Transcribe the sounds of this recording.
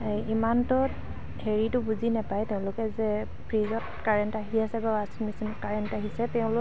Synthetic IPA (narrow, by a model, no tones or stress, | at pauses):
imantʊt | heɹitʊbuzinɛpajtɛʊ̃lʊkɛzɛ | pʰɹizɔtkaɹɛntaɦiasɛbawasmisinɔtkaɹɛntaɦisɛtɛʊ̃lʊ